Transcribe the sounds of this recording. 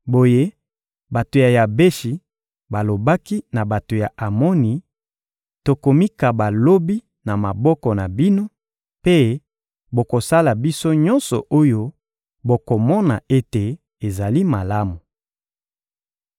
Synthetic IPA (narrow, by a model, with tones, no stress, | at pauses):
bo˨je˦ | ba˨to˨ja˨ja˨be˦ʃi˨ | ba˨lo˨ba˦ki˦na˨ba˨to˨ja˨ʔa˨mɔ˦ni˨ | to˨ko˨mi˦ka˨ba˨lo˦bi˦ | na˨ma˨bɔ˦kɔ˨na˨bi˦no˦ | pe˦ | bo˨ko˨sa˦la˨bi˦so˦ɲɔ˦nsɔ˨ʔo˦jo˦ | bo˨ko˨mɔ˦na̰˨e˦te˨ | e˨za˨li˦ma˨la˦mu˨